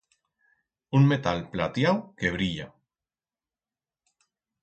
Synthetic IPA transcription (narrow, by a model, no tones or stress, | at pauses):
unmet̪alplat̪jawkeβ̞ɾiʎa